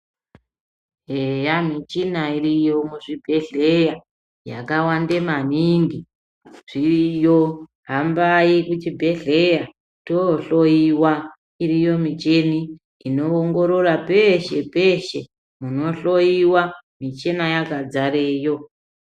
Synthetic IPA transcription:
ɦejam̤it͡ʃinaiɾijo̞muʐibʱe̞ɮe̞ja | ja̰kawande̞maniːŋɡi | ʐ̥iijo | ɦambaikut͡ʃibʱe̞ɮe̞ja | toɬojiwa | irijo̞mit͡ʃe̞ni | ino̞ːŋɡo̞ɾorape̞ʃe̞peʃe̞ | muno̞ɬo̞jiwamit͡ʃe̞najakad͡zaɾeːjo̞

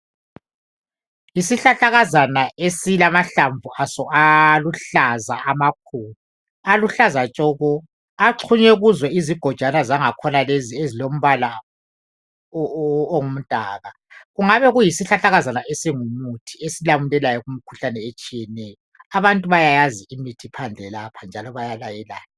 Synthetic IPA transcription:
jisiɬaɬaɣazanaesilamaɬaɱvuʔasɔaluɬaza̰ʔamak̚ʰuːlu | aluɬazat͡ʃʼɔɣɔ | aǁʰuɲɛuɣuzwɛiziɡ̥ʱɔd̥ʒ̥ʱanazaŋakʰɔnaleziezilom̩βala | oŋum̩tʼaːɣa | ɣuŋaβɛɣujisiɬaɬaɣazanaʔesiŋumutʰi̥esilamulɛlajɔɣum̩kʰu̥ɬanɛet͡ʃʼijɛnɛjɔaβantʼuβajajaziimitʰipʰand͡ɮʱɛlapʰand͡ʒʱalɔβajalajɛla̰ːjɔ

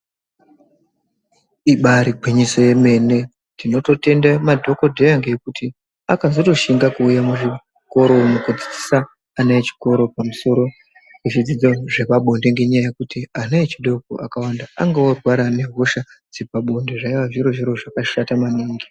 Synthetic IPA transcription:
iɓaɾiɡʱiɲiso̞je̞me̞ne̞ | tino̞to̞te̞ndamadʱo̞ko̞dʱeaŋɡe̞jekuti | akazo̞to̞ʃiŋɡakuːjamuʐi | ko̞ɾo̞mukud͡zid͡zisaː | naet͡ʃi̥ko̞ɾo̞pamuso̞ɾo | kut͡ʃid͡zid͡zo̞ʐe̞paɓo̞nde̞ŋɡe̞ɲajajekutianaet͡ʃiɗo̞ko̰ʔakawandaa̰ŋɡaworwaɾane̞ɦoʃa | d͡zibaɓo̞nde̞ʐaiʋaʐiɾo̞ʐiɾo̞ʐakaʃatamaniːŋɡi

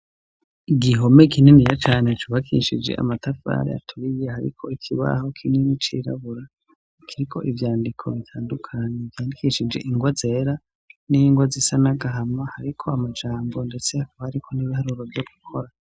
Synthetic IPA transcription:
iɡiɦo̞me̞kininijat͡ʃaːne̞t͡ʃuβakʰḭʃid͡ʒe̞̰ʔa̰matafa̰ːɾḭa̰tʰuɾijehaɾḭkʰo̞ikʰiβa̰ho̞kʰininit͡ʃiɾa̰βuɾa | kʰiɾikʰo̞ʔivjaːndikʰo̞βitʰaːndukʰaɲe̞vjaːndikiʃid͡ʒe̞̰ʔiŋɡwaze̞ːɾa | niŋɡwazisanaɡaɦamahaɾikʰo̞amad͡ʒaːmbo̞nde̞t͡seakhaɾikʰo̞niβihaɾuɾo̞vjo̞ɡukʰo̞ɾa

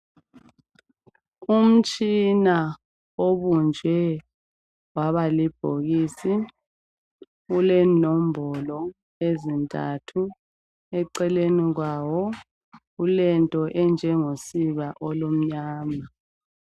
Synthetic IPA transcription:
um̩t͡ʃʼina | oβund͡ʒʱwɛ | waβalib̥ʱoɣiːsi | ulɛnɔmbʱɔlɔ | ezintʼa̰tʰu | ɛǀɛleniɣwaːwɔ | ulɛntʼɔʔɛnd͡ʒʱɛŋosiβaʔɔlom̩ɲaːma

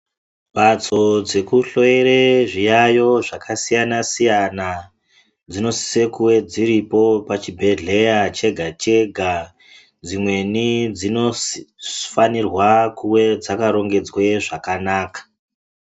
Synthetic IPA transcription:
bat͡so̞d͡ze̞kuɬo̞eɾeʐijajo̞ʐakʰasijanasijana | d͡zino̞si̥se̞kuwe̞d͡ziɾipo̞pat͡ʃibʱe̞ɮe̞jat͡ʃe̞ɡʱat͡ʃe̞ɡʱa | d͡zimwe̞nid͡zino̞ | fanirwakuwe̞d͡zakaɾo̞ŋɡe̞d͡zweʐakanaːkḁ

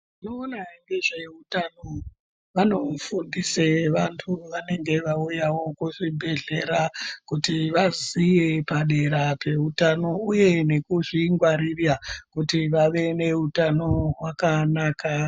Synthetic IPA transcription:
ino̞ːnaiŋɡeʐe̞utano | ʋano̞fundise̞ʋantʰuʋane̞ŋɡe̞ʋaujawo̞kuʐibʱe̞ɮe̞ɾakutiʋazije̞paɗe̞ɾape̞utano̞uje̞ne̞kuʐiŋɡwaɾirjakutiʋaʋe̞ne̞utano̞ɦwakanaːka

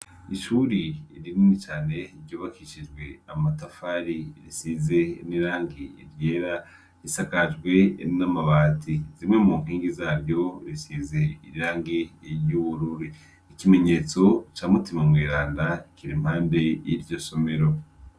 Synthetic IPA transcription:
iʃuːɾiɾininit͡ʃaːne̞ɾɟuːβakiʃid͡ʒɡwe̞amatafaɾiɾisiːze̞niɾaːŋɡiḭɾjeːɾa | ɾisakad͡ʒɡwe̞namaβaːtʰizimŋe̞muŋ̥hiːŋɡizaːɾjo̞ɾisiːze̞iɾiɾaːŋɡiɾjuβuɾuɾi | ikime̞ɲe̞ːt͡so̞t͡ʃaːmutimamwiːɾaːndakiɾim̥haːmbe̞jiɾɟo̞so̞me̞ɾo̞

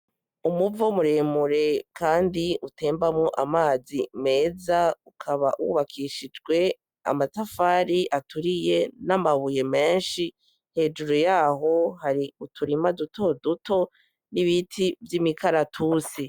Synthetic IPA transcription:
umuvomuɾemuɾe̞kʰaːndiʔutʰe̞ːmbamŋoʔamaːzime̞ːzaukʰaβaʔwṵβakʰiːʃid͡ʒɡwe̞ | a̰matafaːɾiʔatuɾije̞namaβuje̞me̞ːnʃi | he̞ːd͡ʒuɾujaːɦo̞haɾiutʰuɾimaduto̞dutʰo̞ | niβitʰivjimikʰaɾatʰuːsi

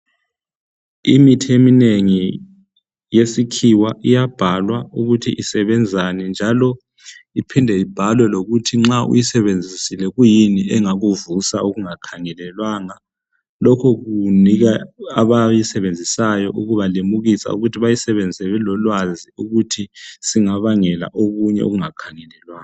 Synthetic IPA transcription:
imitʰiemineŋi | jesikʰiwaʔijab̥ʱalwauɣutʰiʔisɛβɛnd͡zʱanind͡ʒʱalɔ | ipʰindʱɛib̥ʱalwɛloɣutʰiŋ͡ǁaʔṵjisɛβend͡zʱisilɛɣujiniɛŋaɣuvusaoɣuŋakʰaŋɛlɛlwaŋa | lɔkʰɔɣuniɣaaβajisɛβend͡zʱisajɔʔuɣuβalemuɣisa̰ṵɣutʰiβajisɛβend͡zʱisɛβɛlɔlwaziuɣutʰisiŋaβaŋɛla̰ʔoɣuɲɛ̰o̰ɣuŋakʰaŋɛlɛlwaːŋa

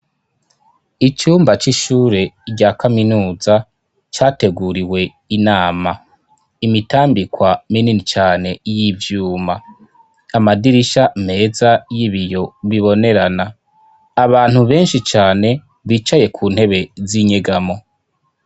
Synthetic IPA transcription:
it͡ʃuːmbat͡ʃiʃuːɾe̞ɾɟaːkaminuːza | t͡ʃaːte̞ɡuɾiwe̞ | inaːma | imitaːmbikwamininit͡ʃaːne̞jivjuːmaː | madiɾiʃame̞ːzajiβijo̞βiβo̞ne̞ɾanaː | βaːn̥huβe̞ːnʃit͡ʃaːne̞ | βiːt͡ʃaje̞kʰuːn̥he̞βe̞ziɲeɡamo̞

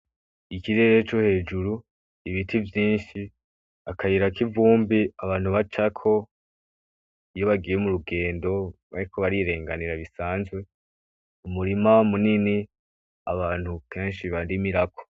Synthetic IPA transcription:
ikiɾe̞ɾe̞t͡ʃohe̞ːd͡ʒuɾu | iβitʰivjiːnʃi | akʰajiɾakivuːmbiaβaːn̥huβat͡ʃakʰo̞ | joβaɡijemuɾuɡe̞ːndo̞βaɾikʰo̞βaɾiɾe̞ːŋɡaniɾaβisaːnzwe̞ | umuɾimamunini | aβaːn̥hukʰe̞ːnʃiβandimiɾakʰo̥

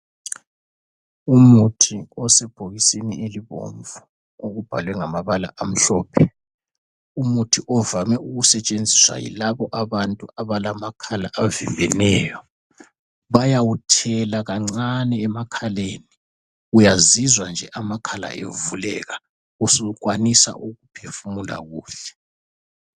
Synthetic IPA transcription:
umutʰiɔsɛb̥ʱoɣisinieliβo̰ɱvu | oɣub̥ʱa̰lwɛŋamaβala̰ʔam̩ɬɔːpʰɛ | umutʰiʔɔvamɛuɣusɛt͡ʃʼend͡zʱiswa̰jḭlaβɔʔaβantʼuaβalamakʰala̰ʔavimbʱɛnɛjɔ | βajawutʰɛlaɣaŋ͡ǀanɛːmakʰaleːni | ujazizwand͡ʒʱɛʔamakʰala̰ʔḛvulɛ̰ɣa | usuukʼwanisa̰ʔuɣupʰefumula̰ɣuːɬɛ̥

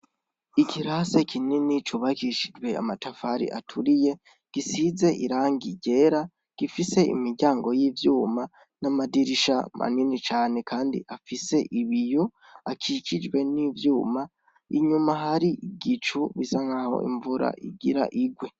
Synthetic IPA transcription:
ikʰiɾasekʰininit͡ʃuβakiʃid͡ʒwe̞a̰matafaɾḭʔa̰tʰuɾije̞ | ɡ̥isize̞ʔiɾaːŋɡiɟe̞ːɾa | ɡ̥ifise̞ḭmiɾɟaːŋɡo̞jiːvjuːma | namadiɾiʃa̰ma̰ninit͡ʃaːne̞kʰaːndḭʔafise̞ʔiβijo | akʰikid͡ʒwe̞nivjuːma | iɲumaɦaɾiɡit͡ʃuβizaŋaho̞̰ʔḭɱvuɾa̰ʔḭɡiɾa̰ʔiɡwe̞

